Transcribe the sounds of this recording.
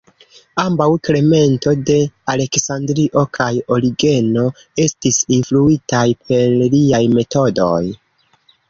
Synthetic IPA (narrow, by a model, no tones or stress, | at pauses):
ambawkɾe̞me̞nto̞de̞ale̞ksandɾiʔo̞kʰajo̞liɡe̞no̞ | e̞stisinfluitajpʰe̞ɾliajme̞to̞do̞j